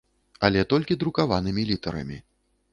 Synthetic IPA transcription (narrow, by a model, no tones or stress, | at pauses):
ɐlʲɛt̪ɔlʲkʲid̪ɾukavanɨmʲilʲit̪ɐɾɐ̰mʲi